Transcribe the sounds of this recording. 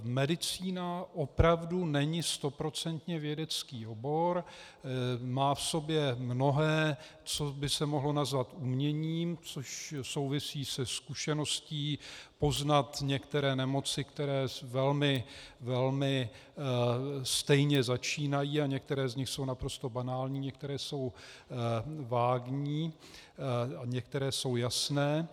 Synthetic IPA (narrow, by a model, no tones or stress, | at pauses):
mɛdɪt͡siːnaʔo̞pɾavdunɛɲɪst̪o̞pɾo̞t͡sɛnt̪ɲɛvjɛdɛt͡skiːo̞bo̞ɾ | maːfso̞bjɛmno̞ɦɛː | t͡so̞bɪsɛmo̞ɦlo̞nazvat̪umɲɛɲiːmt͡so̞ʃso̞wvɪsiːsɛskuʃɛno̞sciːpo̞znat̪ɲɛkt̪ɛɾɛːnɛmo̞t͡sɪkt̪ɛɾɛːvɛlmɪvɛlmɪ | st̪ɛjɲɛzat͡ʃiːnajiːaɲɛk̚t̪ɛɾɛːzɲɪxso̞wnapɾo̞st̪o̞banaːlɲiːɲɛk̚t̪ɛɾɛːso̞w | vaːɡɲiː | aɲɛk̚t̪ɛɾɛːso̞wjasnɛː